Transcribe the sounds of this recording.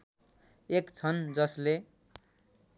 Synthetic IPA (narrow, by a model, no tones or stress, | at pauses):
ekt͡sʰʌnd͡zʌsle